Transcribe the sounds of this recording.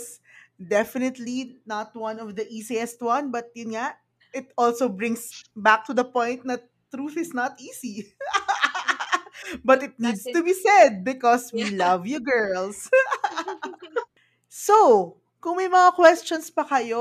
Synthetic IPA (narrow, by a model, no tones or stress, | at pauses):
sd̪ɛfɪnɪt̪linɐt̪̚wɐ̃nɔvd̪ɐʔiːsiɛst̪wɐ̃nbɐt̪̚jʊnŋa | ʔɪt̪ɔlsowbɹɪ̃ŋsbak̚t̪ʊd̪ɐpɔ̃jnt̪̚nɐ | t̪ɾuθɪsnɐt̪ʔiːsi | bɐt̪ɪt̪̚nid̪st̪ʊbisɛd̪̚bɪkɔswilɐvjɔɡɛɹls | so | kʊŋmɐjmɐŋakwɛst͡ʃɔnspɐkɐjo